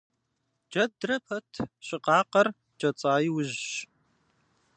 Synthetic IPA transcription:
d͡ʒɐdrɐpʰɐtʰɕʼɪqɑːqɐr | d͡ʒʼɐt͡sʼaːjiwʊʒɕ

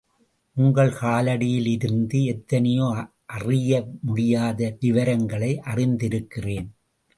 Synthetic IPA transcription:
ʔʊŋɡɐɭkaːlɐɽɪjɪlɪɾɯnd̪ɯɛt̪ːɐnɐjoː | ʔɐrɪjɐmʊɽɪjaːðɐʋɪʋɐɾɐŋɡɐɭɐɪʔɐrɪnd̪ɪɾɯkːɪreːn

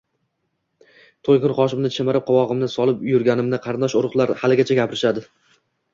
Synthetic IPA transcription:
t̪ʰojkʲʊnχɒʃ̬ɪmnɪt͡ʃʰemɪɾɪp̚qʰɒwɒʁɨmnɪsɒlˠɪpjʊɾɡʲanɪmnɪqʰɑɾnd̪ɒʃʊɾʊχlˠaɾhalɪɡʲat͡ʃʰaɡʲapʰɪɾɪʃad̪ɪ

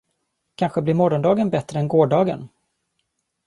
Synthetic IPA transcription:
kʰanɧəblɪɾmɔɾɔnd̪ɑːɡənbɛt̪ɾəɛnɡoːɖɑːɡə̰n

